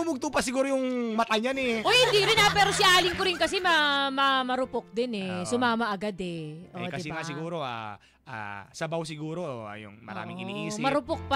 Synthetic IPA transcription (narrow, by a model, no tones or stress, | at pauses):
ʊmʊɡ̚t̪upɐs̬ɪɡuːɾojʊŋmɐt̪aɲɐnɛʔojhɪnd̪iɾɪnapɛːɾosɪʔaːlɪŋkoɾɪnkɐsɛmɐmɐmɐɾʊpok̚d̪ɪnɛsʊmaːmɐʔɐɡad̪ɛʔoɛ̰dkɐɪɛŋasɪɡuːɾo̞ʔa̰ | ʔa̰sɐbaws̬ɪɡuːɾoʔoa̰jʊ̰ŋmɐ̰ɾa̰ːmɪɪ̰nḭʔiːsɪmɐɾʊpok̚pɐ